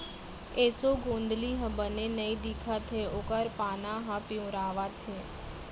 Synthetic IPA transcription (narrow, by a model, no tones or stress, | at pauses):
eːsoːɡõːnd̪liːɦə̃bənẽnəĩd̪ikʰat̪ʰeʊkəɾpaːnãːɦãpɪũɾaːʋat̪ʰeː